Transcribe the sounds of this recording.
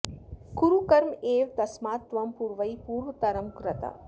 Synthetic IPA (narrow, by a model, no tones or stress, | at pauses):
kuɾukɐɾmeːʋt̪ɐsmaːt̪ʋɐmpuːɾʋɐjpuːɾʋɐt̪ɐɾɐmkɾɐt̪a̰